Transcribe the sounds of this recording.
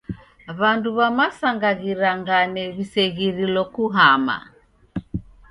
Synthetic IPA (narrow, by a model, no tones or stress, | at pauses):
βanduβamasaŋɡaɣiɾaŋɡanɛβisɛɣiɾilɔkuɦama̰